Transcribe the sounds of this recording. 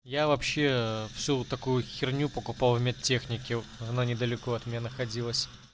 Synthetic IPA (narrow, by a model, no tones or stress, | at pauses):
javɐpɕːe̞fsʲut̪ɐkujʊxʲɪrnʲupəkʊpalˠvmʲet̪tʲːe̞xnʲɪkʲɪɐnanʲɪd̪əlʲɪko̞ɐt̪mʲɪnʲanəxɐdʲilˠəsʲ